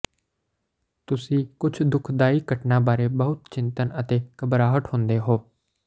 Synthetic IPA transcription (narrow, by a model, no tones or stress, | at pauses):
t̪ʊsĩːkʊt͡ʃʰd̪ʊkʰd̪aːiːkəʈnaːbaːɾeːbəɦʊt̪t͡ʃɪ̃nt̪ənət̪eːkəbɾaːɦəʈhʊ̃nd̪eːɦoː